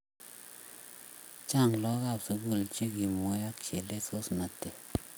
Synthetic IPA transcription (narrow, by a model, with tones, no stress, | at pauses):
t͡ʃa˦˨ŋlɔ˦ɣa˦˨psu˨ɡu˦˨lt͡ʃi˦ki˨mo˨ja˦k̚t͡ʃe˨le˦so˦sna˨te˨